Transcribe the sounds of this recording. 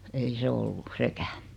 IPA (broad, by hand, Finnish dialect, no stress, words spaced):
ei se olːu sekæː